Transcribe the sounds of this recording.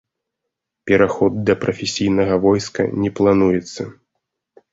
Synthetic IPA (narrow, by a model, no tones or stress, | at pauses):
pʲɛɾaxɔd̪d̪ɐpɾɐfʲesʲijnɐɣɐvɔjskɐ̰nʲɛplˠanujɛt̪sːɐ